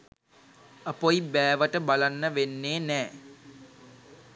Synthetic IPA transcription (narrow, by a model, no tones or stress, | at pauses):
əpojibæːʋəʈəbalanːəʋenːeːnɛː